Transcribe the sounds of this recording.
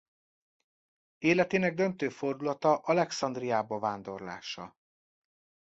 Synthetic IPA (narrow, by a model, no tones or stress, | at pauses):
eːlɛt̪eːnɛɡ̚d̪ønt̪øːfo̞rd̪ulɒt̪ɒʔɒlɛksɒnd̪rijaːbɒvaːnd̪o̞rla̰ːʃɒ̰